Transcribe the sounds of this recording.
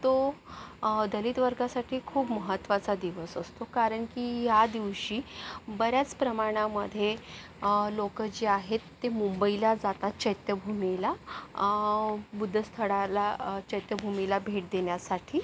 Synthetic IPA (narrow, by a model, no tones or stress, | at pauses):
t̪o | d̪əliːt̪ʋəɾɡasaʈʰiːkʰuːpməɦət̪ːʋat͡sad̪iʋəsəst̪okaɾəɳkiːjad̪iʋɕiːbəɾjat͡spɾəmaɽ̃aməd̪ʱːje | lokəd͡ʑeaɦet̪ːemumbəilad͡zat̪at͡ɕəjt̪jəbʱumila | bud̪ʱːəst̪ʰəɽalat͡ɕəjt̪jəbʱumilabʱeʈ̚d̪eɳjasaʈʰiː